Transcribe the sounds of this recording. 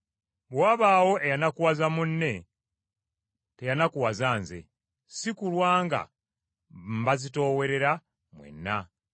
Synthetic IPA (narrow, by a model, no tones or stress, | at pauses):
βwaːβaːwo̞ejanakuwazamunːe̞ | te̞janakuwazaːnze̞̰ | sikulwaːŋɡa̰ | m̩bazito̞ːwe̞ɾe̞ɾa | mwḛnːa